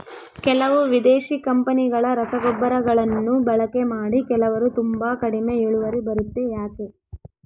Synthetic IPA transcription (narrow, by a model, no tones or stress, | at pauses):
kɛlɐʋuʋid̪eːʃikɐmpɐniɡɐɭɐɾɐsɐɡɔbːɐɾɐɡɐɭɐnːubɐɭɐke̞maːɽikɛlɐʋɐɾut̪umbaːkɐɽime̞eɭuʋɐɾibɐɾut̪ːejaːke